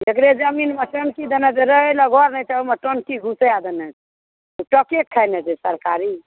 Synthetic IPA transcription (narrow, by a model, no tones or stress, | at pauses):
ekɾed͡ʒəminməʈənkid̪enɛd͡ʒeɾəɦeləɡʱɔɾnət͡ʃaeməʈənkiɡʱũsead̪ɛnɛ | t̪uʈəkekʰːajnɛd͡ʒɛsəɾkaɾi